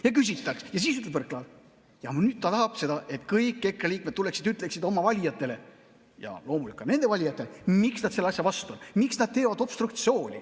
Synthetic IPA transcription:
jɑkys̬ʲit̪ːˑɑksjɑs̬iːsyt̪levrkːlɑːd̪ | jɑmnyːd̪̥̚t̪ɑt̪ɑɦɑb̥se̞d̪ɑʔe̞t̪kɤjkːe̞krɑliːk̚me̞d̪t̪ːuleksid̪yt̪ːˑle̞ksid̪o̞mːɑvɑlʲijɑt̪ˑːe̞le̞ | jɑ̰lo̞ːmulikːˑɑne̞nd̪e̞vɑlʲijɑt̪ːˑelemiksnɑd̪se̞lːɑsʲjɑvɑst̪uonmiksnɑd̪̚t̪e̞ːvɑd̪o̞b̥st̪rukt̪sio̞ːnʲḭ

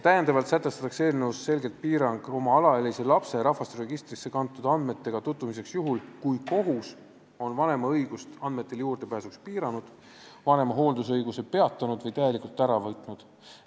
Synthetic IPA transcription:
t̪æjend̪̥ɑvɑlt̪sæt̪ːˑe̞st̪ɑ̥t̪ːˑɑkse̞ːlnevusːe̞lɡe̞lt̪̚piːɾɑŋɡ̥o̞mɑɑlɑelejse̞lɑpse̞ɾɑhvɑst̪eɾe̞ɡ̥ist̪risːe̞kɑnt̪ːˑud̪ɑnd̪̥me̞t̪ːe̞ɡ̥ɑt̪ut̪ːˑumise̞ksjuɦulkujko̞ɦus | o̞nvɑne̞mɑɤjɡ̥ust̪ɑnd̪̥me̞t̪ːˑe̞ljuːrd̪e̞pæːsukspiːɾɑnud̪̥ | vɑne̞mɑɦo̞ːld̪us̬ɤjɡ̥use̞pe̞ɑt̪ːˑɑnud̪vɤjt̪æje̞likˑult̪ːˑæɾɑvɤt̪ˑnud̪̥

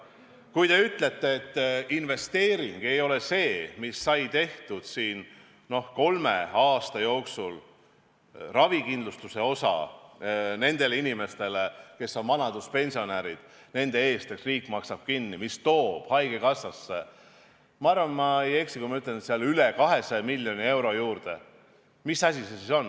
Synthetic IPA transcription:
kujd̪e̞yt̪ːˑle̞t̪ːˑeet̪ːinve̞st̪e̞ːɾiŋɡ̥e̞jo̞le̞se̞ːmisːɑjt̪e̞ht̪ud̪̥siːn | no̞hko̞lme̞ɑːst̪ɑjo̞ːksul | rɑvikind̪lust̪use̞o̞sɑ̰ | ne̞nd̪̥e̞linime̞st̪e̞leke̞sːo̞nmɑnɑd̪̥uspe̞nʲsio̞næɾid̪̥ | ne̞nd̪e̞e̞ːst̪eksriːkːˑmɑksɑb̥̚kinːimist̪o̞ːb̥hɑjɡ̥ekɑsːɑsːe | mɑɑrvɑnmɑjeksikumɑyt̪ːˑensiɑlylekɑɦe̞sɑmilʲːjo̞nie̞wɾo̞juːrd̪̥e̞̰ | misɑs̬ʲisesiso̞nː

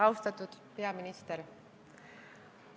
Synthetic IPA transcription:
ɑwst̪ɑt̪ˑud̪̥pe̞ɑminist̪eɾ

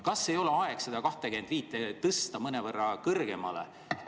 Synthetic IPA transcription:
kɑsːe̞jo̞leɑe̞ksɑd̪̥ɑkɑht̪e̞kyend̪viːt̪ːˑet̪ɤst̪ɑmɤnevɤrːɑkɤrɡ̥e̞mɑlḛ

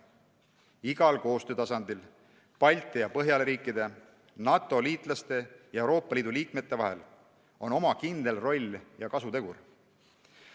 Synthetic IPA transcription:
iɡ̥ɑlko̞ːst̪øːt̪ɑsɑnd̪il | pɑlʲt̪ˑijɑpɤɦjɑleɾiːkːˑid̪̥e̞ | nɑt̪ːˑo̞liːt̪ˑlɑst̪e̞jɑewɾo̞ːpːˑɑliːd̪uliːkme̞t̪ˑːe̞vɑɦe̞̰l | o̞no̞mɑkind̪e̞lro̞lʲːjɑkɑsut̪e̞ɡ̥ur

